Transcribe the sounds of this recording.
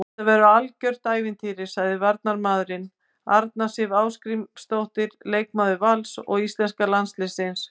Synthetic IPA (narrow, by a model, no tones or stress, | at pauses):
ɛt̪avɛɾʏalcœr̥t̪aːjvɪnt̪ʰiːɾɪ̥saɣðɪvaɾt̪naɾmaːðɾɪn | aɾt̪nasɪvaːwskɾimst̪owht̪ɪɾleːjk̚maːðʏvalsɔ̰ɣist̪lɛnskalanslɪsɪns